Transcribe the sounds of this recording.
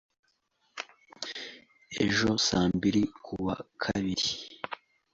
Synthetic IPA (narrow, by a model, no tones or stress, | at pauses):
e̞̰ʒo̞saːmbiɾikʰuβa̰kʰaβiɾi